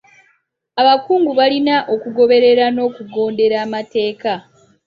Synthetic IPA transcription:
aβakuːŋɡuβalinaʔokuɡo̞βe̞ɾe̞ɾano̞ːkuɡo̞ːnde̞ɾaːmate̞ːka

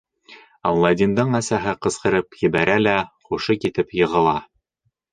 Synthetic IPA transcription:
ɑwlˠɑd̪ʲimd̪ɤɴæsæɦɘqɤ̆sqɤ̆ɾɤpjɘ̆bæɾælæχuʃɤkit̪ɘpjɤ̆ʁɤ̆lˠɑ

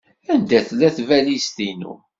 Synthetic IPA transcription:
ænd̪æθlæθvælist̪inṵ

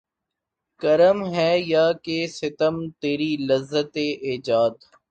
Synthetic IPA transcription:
kɐɾəmɦɛːjaːkesɪt̪əmt̪eːɾilɐzːət̪eʔeːd͡ʒaːd̪

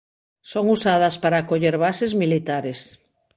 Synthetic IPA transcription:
soŋusað̞aspaɾakoʎeɾβasezmilit̪aɾes

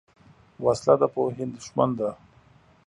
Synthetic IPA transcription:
waslad̪apəɦɪnd̪ʃmand̪a

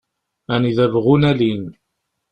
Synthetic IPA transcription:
æniðævʁunælin

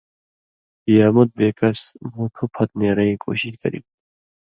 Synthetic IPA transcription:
ijaːmut̪̚beːkɐsmut̪ʰupʰɐt̪̚neːɾɐĩko̰ɕitkɐ̰ɾḭbut̪

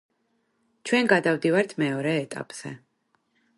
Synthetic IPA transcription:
t͡ʃʰwɛnɡad̪avd̪ivaɾt̪ʰmɛɔɾɛːt̪ʼa̰pʼz̥ɛ̰

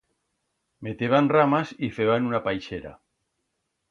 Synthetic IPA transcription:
met̪eβanramasifeβanunapajʃeɾa̰

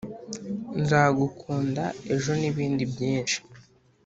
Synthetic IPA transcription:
nzaːɡukʰuːndae̞ʒo̞niβiːndibjiːnʃi̥

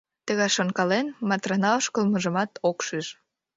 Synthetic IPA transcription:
t̪əɣɑjʃoŋkɑlenmɑt̪rɑnɑoʃkəlməʒəmɑt̪okʃiʃ

